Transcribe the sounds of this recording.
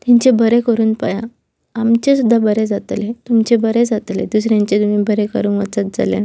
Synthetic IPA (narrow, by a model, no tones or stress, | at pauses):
t̪aɲt͡ɕebʱəɾekəɾuːnpə̰ja | amt͡ɕesud̪ʱːabəɾed͡zat̪let̪umt͡ɕebəɾed͡zat̪led̪usɾjãɲt͡ɕet̪umiːbʱəɾekə̰ɾuːnʋə̰t͡sat̪̚d͡za̰lja̰n